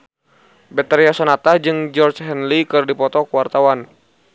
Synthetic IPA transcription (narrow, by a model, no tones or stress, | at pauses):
bɛt̪ɛɾiasɔnat̪ad͡ʒɨŋd͡ʒɔrt͡ʃɦɛnlikɨrdipɔt̪ɔkuwart̪awan